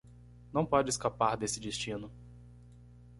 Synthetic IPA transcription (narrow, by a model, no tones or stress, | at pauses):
nɐ̃w̃pɔd͡ʒɪskapaɾd̪esɪd̪est͡ʃĩnʊ